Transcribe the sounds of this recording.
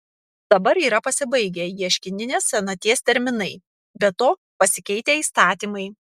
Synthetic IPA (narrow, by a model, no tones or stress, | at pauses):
d̪̥ɐbɐɾiːɾɐpɐsʲɪbɐɪɡʲɛjiɛʃʲkʲɪnʲɪnʲeːssʲɛnɐt̪ʲiɛsʲt̪ʲɛɾʲmʲɪnɐɪ | bʲɛt̪oː | pɐsʲɪkʲɛɪt̪ʲeːiːst̪ɑːt̪ʲiːmɐɪ